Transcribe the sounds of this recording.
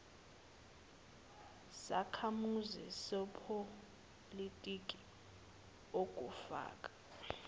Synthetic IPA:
sa̰kʰamuzisɔpʰo | litʼikʼi̥ | ok̬ʼufa̰ːkʼḁ

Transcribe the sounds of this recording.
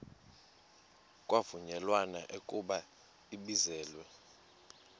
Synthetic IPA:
kʼwavuɲɛlwana̰ʔekʼuɓa | iɓizɛːlwɛ

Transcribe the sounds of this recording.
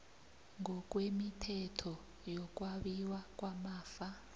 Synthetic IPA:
ŋɔk̬ʼwemitʰɛtʰɔ | jɔk̬ʼwaɓiwak̬ʼwamaːfa

